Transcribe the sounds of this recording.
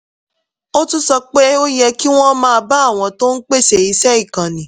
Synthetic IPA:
o˦tũ˦sɔ˧k͡pe˦o˦jɛ˧ki˦w̃ɔ̃˦mãː˦˧ba˦a˦˨w̃ɔ̃˧to˦n̩˦k͡pe˦˨ʃe˨i˨˧sɛ˦i˦˨kã˨nĩ˨˦

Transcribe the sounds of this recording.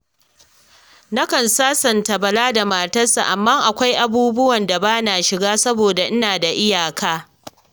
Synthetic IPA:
na˦kɐ˨nsaː˦sɐ˨nta˨bɐ˨laː˦da˨maː˨tɐ˦sa̰˨ʔa˨mːa˦ŋʔa˨kʷa˦jʔa˨buː˦bʊ˦wɐ˨nda˨baː˦na˨ʃɪ˨ɡaː˦sɐ˦boː˨da˨ʔɪ˦naː˨da˨ʔɪ˦jaː˨kʰaː˦

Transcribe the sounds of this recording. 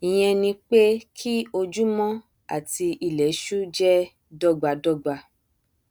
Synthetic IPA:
i˨j̃ɛ̃˧nĩ˧k͡pe˦kʰi˦o˧d͡ʒu˦mɔ̃˦ | a̰˦˨ti˧i˧lɛ˨˦ʃu˦d͡ʒɛ˦ | dɔ˦ɡ͡ba˧dɔ˦ɡ͡ba˧

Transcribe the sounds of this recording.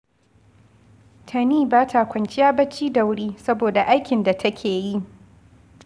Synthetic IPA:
tʰɐ˨niː˦˨baː˦tʰa˨kʷɐ˨nt͡ʃɪ˦jaː˦bɐ˦t͡ʃiː˦da˨wɽiː˦sɐ˦boː˨da˨ʔa˦jkʲɪ˨nda˨tʰɐ˦kʲʰeː˨ji˦ʔ

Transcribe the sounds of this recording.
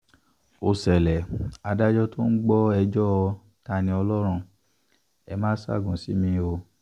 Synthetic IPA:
o˨sɛ˨lɛ˨a˨˧da˦d͡ʒɔ˦to˦n̩˦ɡ͡bɔ˦ɛ˧d͡ʒɔ˦ɔ˧ | ta˧nĩ˧ɔ˧lɔ˦ɾ̃ũ˧ | ɛ˧mãː˦sa̰˦˨ɡũ˨si˨˦mĩ˧o˧

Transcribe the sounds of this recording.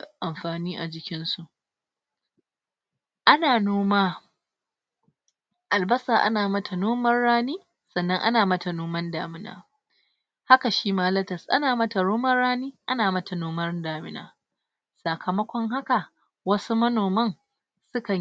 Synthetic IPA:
ʔa˨mɸaː˨niː˦ʔa˨d͡ʒɪ˦kʲɪ˦nsu˨ʔ | ʔa˦naː˨noː˦maː˦ | ʔa˨lbɐ˦saː˨ʔa̰˦naː˨mɐ˦tʰa˨noː˦mɐ˦rːaː˦niː˦ | sɐ˨nːɐ˦ŋʔa̰˦naː˨mɐ˦ta˨noː˦mɐ˦ndaː˨mɪ˦na̰ː˨ | ha˦ka˨ʃiː˦maː˦lɐ˦tɐ˨sʔa̰˦naː˨mɐ˦ta˨noː˦mɐ˦rːaː˦niː˦ʔa˦naː˨mɐ˦tʰa˨noː˦mɐ˦rdaː˨mɪ˦na̰ː˨ | sa˨kʰɐ˨mɐ˦kʷɔ˦ŋɦa˦ka˨ | wɐ˦su˦mɐ˦noː˨mɐ˦ŋ | sʊ˦kɐ˨

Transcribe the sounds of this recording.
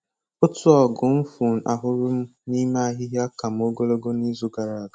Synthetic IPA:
ʊ˦tʊ˦ɔ˨ɡʊ˨m̩˦fu˨n̩˨ʔa˨ɦʊ˦ɾʊ˦m̩˦ni˦ma˦a˦ɦɪ˦ɦja˦ka˨m˨o˦ɡo˦lo˦ɡo˦ni˦zu˦ɡa˨ɾa˨a˨ɡa˨

